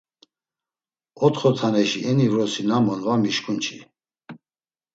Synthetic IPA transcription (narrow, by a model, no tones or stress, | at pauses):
ɔt̪χɔt̪ʰanɛʃiɛnivɾɔsinamɔnvamiʃkʼunt͡ʃʰi